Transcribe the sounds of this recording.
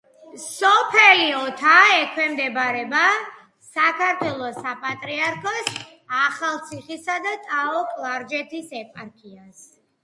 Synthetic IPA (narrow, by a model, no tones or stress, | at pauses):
sɔpʰɛliɔt̪ʰaɛkʰwɛmd̪ɛbaɾɛba | sakʰaɾt̪ʰwɛlˠɔsapʼat̪ʼɾiaɾkʰɔs | aχalˠt̪sʰiχisad̪at̪ʼaɔkʼlˠaɾd͡ʒɛt̪ʰisɛpʼaɾkʰias